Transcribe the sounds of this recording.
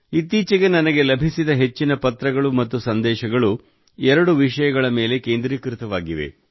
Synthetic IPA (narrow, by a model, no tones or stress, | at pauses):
it̪ːiːt͡ʃɐɡe̞nɐnɐɡe̞lɐbʱisid̪ɐɦe̞t͡ʃːinɐpɐt̪ɾɐɡɐɭumɐt̪ːusɐnd̪ɛːʃɐɡɐɭu | ɛɾɐɽuʋiʂɐjɐɡɐɭɐme̞ːle̞ke̞ːnd̪ɾiːkɾit̪ɐʋaːɡiʋḛ